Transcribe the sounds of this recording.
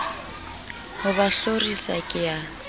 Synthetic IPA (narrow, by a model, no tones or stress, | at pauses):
hʊbaɬorisakʼɪjaː